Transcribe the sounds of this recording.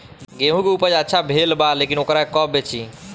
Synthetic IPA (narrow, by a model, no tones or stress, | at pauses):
ɡeɦũkeupəɾd͡ʒətːʃʰabʱelbalekinokɾakɔbet͡ʃʰi